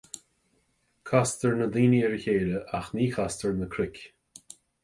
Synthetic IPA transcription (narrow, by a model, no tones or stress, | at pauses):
kʰastəɹnəd̪iːniɛɹəçeːɾəʔaxniːkʰast̪əɹnəkʰɾɪkʲ